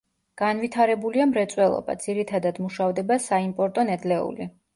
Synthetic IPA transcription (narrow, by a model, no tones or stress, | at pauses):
ɡ̥anvit̪ʰaɾɛbuliamɾɛt̪sʼwɛlˠɔ̰ba̰d̪ziɾit̪ʰad̪ad̪muʃavd̪ɛbasaimpʼɔɾt̪ʼɔnɛd̪lɛṵli